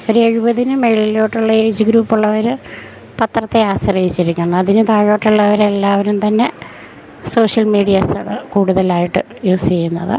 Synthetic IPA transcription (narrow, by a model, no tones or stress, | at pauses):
o̞ɾueɻubɐðinɨmejɻɭilo̞ːʈːuɭːɐeːd͡ʑɨɡɾuːpːuɭːɐʋɐɾɨ | pɐt̪rɐt̪ːeaːsɐrɐjit͡ɕːiɾukʲːuɳɐɐðinɨt̪ɐɻo̞ːʈːuɭːɐʋɐɾe̞lːaːʋɐɾumt̪ɐnːe̞ | so̞ːʂjɐlmiːɽijɐsɐɳɨkuːɽuðɐlaːjiʈːɨ | juːst͡ɕejːunːɐ̰ðɨ̰